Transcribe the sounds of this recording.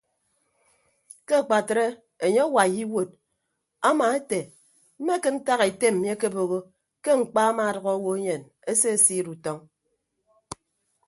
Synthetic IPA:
ke˦a˨k͡pa˨tɾe˦ | e˨ɲe˦a˦wa˨ji˦wo˨d̚ | a˦ma˨e˦te˨ | m̩˦me˦ke˦n̩˦ta˦ɣe˨te˦m̩˨m˦e˦ke˦bo˨ɣo˦ | ke˦ŋŋ͡m̩˨k͡pa˦a˦ma˨ɾɔ˨ɣɔ˦wo˦e˦ɲe˨n | e˦se˦e˨si˦ɾu˨tɔ˦ŋ

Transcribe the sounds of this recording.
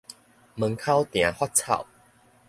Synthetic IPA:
mə˨˧˦ŋkʰa˦wt̪j̃ã˨˦hwa˦t̚t͡sʰa̰˥˨w

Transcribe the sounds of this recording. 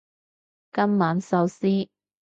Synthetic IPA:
kɐ˥mːaː˨˥nsɐ˨˥wsiː˥

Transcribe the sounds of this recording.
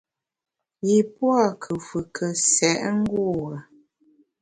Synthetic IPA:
ji˨pwa˦˨kʰə˨fə˨kʰə˨sɛ˨ʔŋ̩˦ɡu˦˨ɣə˨

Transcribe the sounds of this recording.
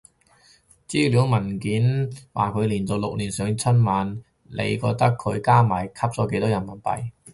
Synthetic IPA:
t͡siː˥lyː˨˧˥ŋmɐ˨˩nkiː˨˥nwʔa̰ː˨kʰɵ˨˧ɥliː˨˩nt͡so˨˧wlʊ˨k̚liː˨˩nsœː˨˧ŋt͡sʰɵ˥nmaː˨˧n | lʔḛ˨˧jkɔː˧k̚t̪ɐ˥kʰːɵ˨˧ɥkaː˥maː˨˩jkʰɐ˥p̚t͡sɔː˨˥ke˧˥t̪ɔː˥jɐ˨˩nmɐ˨˩npɐ̰˨j

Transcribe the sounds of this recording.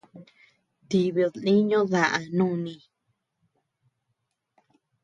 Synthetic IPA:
t̪i˨βðnĩ˦ɲõ˦ða˧ʔa˧nũ˦˨nĩ˧˨

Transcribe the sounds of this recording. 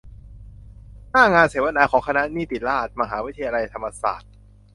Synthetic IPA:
naː˥˩ŋaː˧nseː˩˦wa˧naː˩˦kʰɔː˩˦ŋkʰa˧na˦˥ʔniː˥˩t̪iː˨˩laː˥˩t̪̚ma˧ɦaː˩˦wi˦˥˧a˧la˧jt̪ʰa˧mːa˧sa̰ː˨˩t̪̚

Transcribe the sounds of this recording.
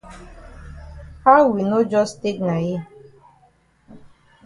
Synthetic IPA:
ha˦ʊwi˨no˦d͡ʒɔ˦ste˦kna˨je˦

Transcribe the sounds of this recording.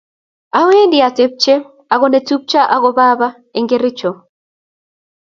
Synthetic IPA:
a˦we˦ndɪ˨a˨te˨˦p̚t͡ʃe˦ | a˨ɣɔ˨ne˨tu˦p̚t͡ʃa˦ʔa˦ɣɔ˨ba˦ba˦ | e˨ŋɡe˦ɾɪ˦t͡ʃɔ˨

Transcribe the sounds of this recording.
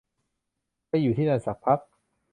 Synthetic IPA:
a˥˩juː˨˩t̪ʰiː˥˩na˧˩sa˨˩k̚pʰa˦˥k̚

